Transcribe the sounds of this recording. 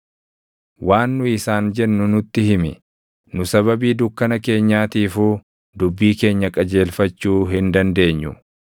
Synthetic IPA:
waːnːʊɪsaːnd͡ʒɛnːʊnʊt̪ːɪhɪmɪ̰ | nʊsɐβɐbiːd̪ʊkːɐnɐke̞ːɲːaːt̪iːfuː | d̪ʊbːiːke̞ːɲːɐkʼɐd͡ʒe̞ːlfɐt͡ʃːuːɦɪnd̪ɐnd̪e̞ːɲːʊ̰

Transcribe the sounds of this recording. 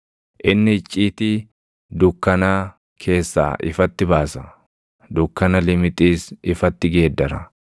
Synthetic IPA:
ʔɪnːɪɪt͡ʃʼːiːt̪ɪ | d̪ʊkːɐnɐ | kʰe̞ːsːa̰ːʔɪ̰fɐt̪ːɪbaːsɐ | d̪ʊkːɐnɐlɪmɪt̪ʼiːsɪfɐt̪ːɪɡe̞ːd̪ːɐɾɐ̰

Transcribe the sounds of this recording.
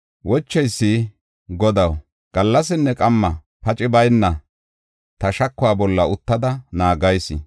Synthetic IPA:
wɔt͡ʃːɛjsːɪ | ɡɔd̪ɐw | ɡ̥ɐlːɐs̬ɪnːɛkʼɐmːɐ | pɐt͡ʃʼɪbɐjnːɐ | t̪ɐʃɐkːʊwaːbɔlːɐʊt̪ːɐd̪ɐnaːɡɐjsɪ̰

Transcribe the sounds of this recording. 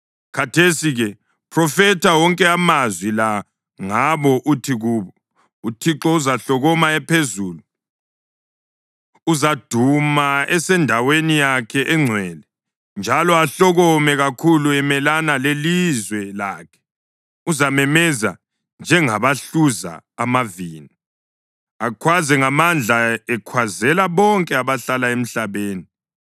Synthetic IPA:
kʰatʰesiɣɛ | pʰrɔfɛtʰawɔŋkʼɛamazwila | ŋaβɔʔutʰiɣuːβɔ | utʰiǁɔuzaɬɔɣɔmaɛpʰezuːlu | uzad̥ʱumaɛsɛndʱawenijakʰɛʔɛŋ͡ǀʱwɛlɛ | nd͡ʒʱalɔaɬɔɣɔmɛɣakʰuluɛmɛlanalelizwɛlaːkʰɛ̥ | uzamɛmɛza̰ | nd͡ʒʱɛŋaβaɬuza̰ːmaviːni | akʰwazɛŋamand͡ɮʱaɛkʰwazɛlaβɔŋkʼɛaβaɬalaem̩ɬaβeːni

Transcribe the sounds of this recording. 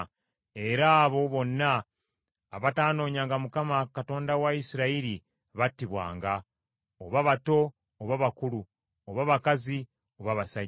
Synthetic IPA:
e̞ɾaːβo̞βo̞nːaː | βataːno̞ːɲaːŋɡamukamakato̞ːndawaisiɾaiɾi | βatːiβwa̰ːŋɡa | oβaβato̞ː | βaβakulu | oβaβakazi | o̞βaβasa

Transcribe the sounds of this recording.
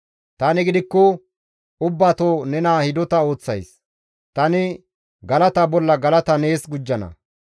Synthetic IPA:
t̪ɐnɪɡɪd̪ɪkːɔ | ʊbːaːt̪oːnɛnaːhɪd̪ɔt̪ɐo̞ːt͡sːɐjs | t̪ɐnɪ | ɡɐlɐt̪ɐbɔlːɐɡɐlɐt̪ɐne̞ːsɡʊd͡ʒːɐnɐ̰

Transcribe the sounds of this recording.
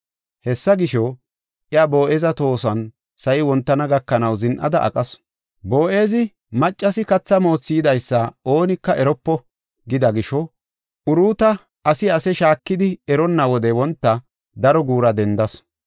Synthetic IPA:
hɛsːɐɡɪʃɔ | ʔɪabo̞ːʔeːzɐt̪o̞ːsɐn | sɐjɪwɔnt̪ːɐnɐɡɐkːɐnɐwzɪnʔɐ̰d̪ɐʔɐ̰kʼɐs | bo̞ːʔe̞ːzɪ | mɐt͡ʃʼːɐsɪkɐt͡sːɐmo̞ːt͡sːiːd̪ɐjsːɐo̞ːnɪkːɐʔɛɾɔpːɔ | ɡɪd̪ɐɡɪʃɔ | ʔʊɾuːt̪ɐ | ɐsɪɐsɛʃaːkːɪd̪ɪɛɾɔnːɐwɔd̪ɛwɔnt̪ːɐ | d̪ɐɾɔɡuːɾɐd̪ɛnd̪ɐs

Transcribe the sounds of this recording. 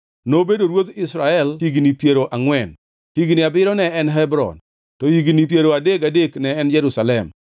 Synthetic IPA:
nobedoɾwot̪ɪsɾaɛlhiɡnipjeɾoʔaŋwɛn | hiɡnɪabɪɾɔnɛɛnɦɛbɾɔ̰n | tɔhiɡnipjeɾoadekadeknɛɛnd͡ʒɛɾusalɛm

